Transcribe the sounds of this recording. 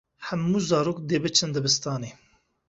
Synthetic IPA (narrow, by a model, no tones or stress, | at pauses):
hɛmːuːzɑːɾoːkd̪eːbɨt͡ʃʰɨnd̪ɨbɨst̪ɑːneː